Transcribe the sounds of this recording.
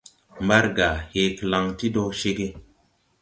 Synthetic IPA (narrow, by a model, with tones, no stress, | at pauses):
mba˦ɾɡa˨he˨kla˨ŋti˦do˦ʃe˦ɡe˦